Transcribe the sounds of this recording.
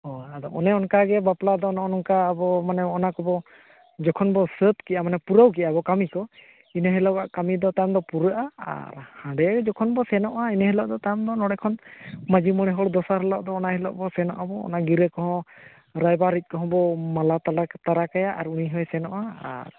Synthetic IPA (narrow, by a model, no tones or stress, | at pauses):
hɔad̪ɔʔɔnɛɔnkaɡɛbaplad̪ɔːnaɔnɔŋkaːbɔmanɛɔnakɔbɔ | d͡ʒɔkʰɔnbɔsət̪̚kɛʔamanɛpuɾəwk̬ɛʔabɔkamikɔ | inəɦɛlɔwaʔkamid̪ɔt̪amd̪ɔpuɾəʔaa̰ɾhãɖɛjaɡɛd͡ʒɔkʰɔnbɔsɛnɔʔainəɦɛlɔʔd̪ɔt̪ajmd̪ɔnɔɽɛkʰɔnmad͡ʒimɔɽ̃ɛɦɔɽd̪ɔsaɾɦɛlɔ̰ʔd̪ɔːnahɛlɔ̰ʔbɔsɛnɔ̰ʔabɔ̰ːnaɡiɾəkɔɦɔ̃ | ɾajbaɾic̪̚ˀkɔɦɔ̃bɔmalat̪at̪aɾakajaʔaɾuniɦɔjsɛnɔʔaa̰ɾ